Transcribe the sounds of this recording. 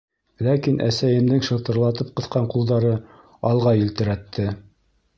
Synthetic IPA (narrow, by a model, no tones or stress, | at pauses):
lækinʔæ̰sæjɘ̆md̪ɘŋʃɤ̆t̪ɤ̆ɾlˠɑt̪ɤp̚qɤ̆θqɑɴqulˠd̪ɑɾɤ | ɑlˠʁɑjĭlt̪ɘ̆ɾæt̪ːɘ